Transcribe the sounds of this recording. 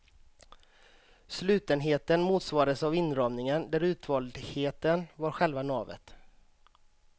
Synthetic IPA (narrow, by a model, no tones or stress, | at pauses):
slʉ̟ːt̪ənɦeːt̪ənmuːt̪svɑːɾaəsavɪnɾɑːmnɪŋənd̪æɾʉ̟ːt̪vɑːld̪heːt̪ənvaɾɧɛlvanɑːvə̰t̪